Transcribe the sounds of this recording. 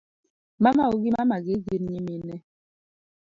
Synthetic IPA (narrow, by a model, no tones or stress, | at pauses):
mamaoɡimamaɡiɡiɾɲiminɛ